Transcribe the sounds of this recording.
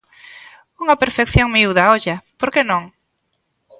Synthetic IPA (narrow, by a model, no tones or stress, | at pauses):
uŋɐpeɾfekθjoŋmiuðaɔʎapoɾkenõŋ